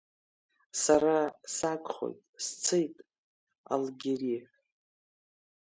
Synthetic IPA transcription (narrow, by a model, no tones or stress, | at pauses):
saɾasakʷʼχo̞̰jtʼst͡sʰɨjtʼ | a̰lɡʲeɾiħʷ